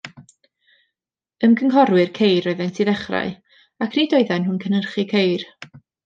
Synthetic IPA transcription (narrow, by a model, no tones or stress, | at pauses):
əmkʰəŋkɔɾwɨrkʰejrɔɨðɛntʰiðɛχra̰j | akʰnidɔɨðɛnhʊnkʰənərχikʰejr